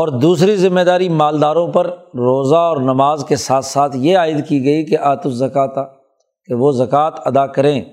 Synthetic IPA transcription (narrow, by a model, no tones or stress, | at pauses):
ɔːɾd̪uːsɾizɪ̃mːeːd̪aːɾimaːld̪aːɾõpɐɾɾoːzaɔːɾnɐmaːzkesaːt̪ʰsaːt̪ʰjeaːɪd̪kiɡɐikeʔaːt̪ʊszɐkaːt̪aː | keʋoːzɐkaːt̪ɐd̪akɐɾẽː